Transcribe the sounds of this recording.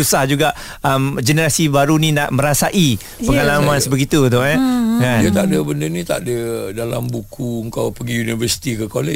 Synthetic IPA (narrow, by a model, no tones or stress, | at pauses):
usahd͡ʒuɡaʔ | əmd͡ʒənəɾasibaɾunĩnaʔmə̃ɾasaʔi | pəŋalamãnsəbəɡit̪ut̪ʊʔɲɛkanjat̪aʔdəbəndənĩt̪a̰ʔdədalambukuəŋkawpəɡiunivərsi̥t̪ikəkole